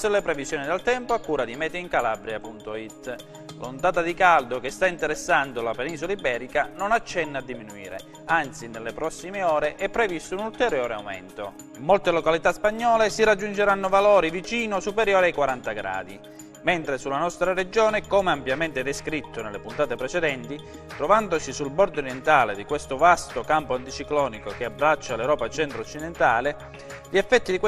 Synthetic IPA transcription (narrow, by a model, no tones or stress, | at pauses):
sulːepɾevizjɔːnid̪elt̪ɛmpoakːuːɾad̪imɛːt̪eiŋkalabɾjapunt̪oit̪ː | lont̪aːt̪ad̪ikald̪okest̪aint̪eɾesːand̪olapeniːsolaibɛːɾikanonat͡ʃːɛnːad̪ːiminuḭːɾḛ | ant̪sinelːepɾɔsːimeɔːɾeʔɛpːɾevist̪ʊunult̪eɾjoːɾea̰wmɛ̰nt̪o | mːolt̪elokalit̪aspaɲːɔːlesiɾad͡ʒːund͡ʒeɾanːʊvalɔːɾivit͡ʃiːnosupeɾjoːɾiajkwaɾant̪aɡɾa̰ːd̪i | mɛnt̪ɾesulːanɔst̪ɾared͡ʒoːnekomeampjament̪ɛd̪eskɾit̪ːonelːepunt̪aːt̪epɾet͡ʃed̪ɛnt̪i | t̪ɾovand̪osisulbɔɾd̪oɾjent̪aːled̪ikwest̪ovast̪okampoant̪it͡ʃiklɔːnikokeabːɾat͡ʃːalewɾɔːpat͡ʃɛnt̪ɾot͡ʃːid̪ent̪aːle | ʎiɛfːɛt̪ːid̪ikw